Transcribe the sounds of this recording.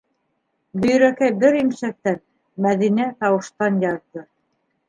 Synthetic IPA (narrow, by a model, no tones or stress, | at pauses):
bɵ̆j̆ɾækæjbɘɾimʃæk̚t̪æn | mæðinæt̪ɑwɤ̆ʃt̪ɑnjɑððɤ